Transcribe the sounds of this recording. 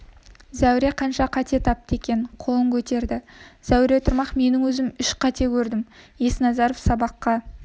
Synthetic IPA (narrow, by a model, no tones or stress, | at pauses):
zæwɾe̞qʰɑnʃɑqʰɑt̪e̞t̪ʰɑp̚t̪əe̞kʲe̞nqʰo̞lˠəŋkʲʰɵt̪e̞ɾd̪ɪz̥æwɾet̪ʰəɾmɑqme̞nɪŋwɵzɪmʏʃqʰɑt̪e̞kʲʰɵɾd̪ɪmjesnɑzɑɾofsɑbɑqːɑ